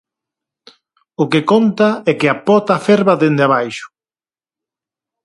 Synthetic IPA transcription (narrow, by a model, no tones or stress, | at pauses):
ʊkɪkont̪aɛkɪapɔt̪afɛɾβɐðend̪eaβajʃʊ̥